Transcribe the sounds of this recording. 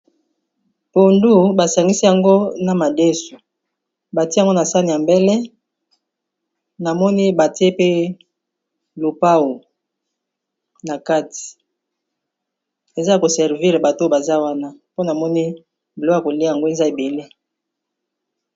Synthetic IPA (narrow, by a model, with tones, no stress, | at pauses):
po˨ndu˦ba˨sa˨ŋɡi˦si˦ja˨ŋɡo˦na˨ma˨de˦su˨ | ba˨ti˦a˨ŋɡo˦na˨sa˦ni˨a˨mbɛ˦lɛ˦ | na˨mɔ˦ni˦ba˨ti˦e˦pe˦ | lo˨pa˦wo˨ | na˨ka˦ti̥˨ | e˨za˦˨ko˨sɛ˨ʁvi˦ʁba˨to˦ba˨za˦wa˦na˦po˦na˨mɔ˦ni˦ | blo˦a˨ko˨li˦a˦ja˨ŋɡo˦e˨za˦e˨be˨le˦